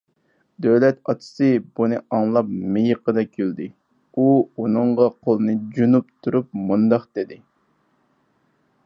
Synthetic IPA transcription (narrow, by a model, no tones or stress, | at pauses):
d̪øwlɛt̪ɑt̪ʰɨ̥sɨbunɨɑŋlˠɑp̚mejəqəd̪ɑkʲʰøld̪ɪ | uunɨɴʁɑqʰolˠɨnɨd͡ʒunupt̪ʰuɾup̚mund̪ɑqd̪̥ɪd̪ɪ